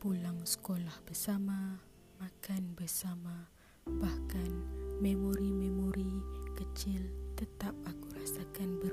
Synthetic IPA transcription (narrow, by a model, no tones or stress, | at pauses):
pulaŋsə̥kolahbərsama | makanbərsama | bahkanmemoɾimemoɾikət͡ʃɪlt̪ət̪ap̚akuɾasakanbə